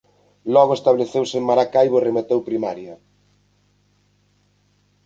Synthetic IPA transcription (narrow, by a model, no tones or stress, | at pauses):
lɔɣoest̪aβleθewsemaɾakajβoeremet̪ewpɾimaɾjɐ